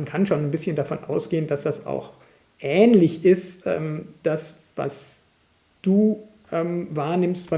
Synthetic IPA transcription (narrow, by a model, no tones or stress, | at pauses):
nkʰanʃoːnanbɪsçəndafɔnʔa̰ʊsɡ̥eːənd̥asd̥asa̰ʊx | ʔɛːnlɪçɪstʔɛ̰ːmd̥as | va̰s | d̥uː | ʔɛːmvaːɐnɪmstfɔ